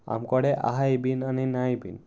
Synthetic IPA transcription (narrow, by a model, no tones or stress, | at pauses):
a̰mkɔɽeʔa̰ɦajbinaninajbin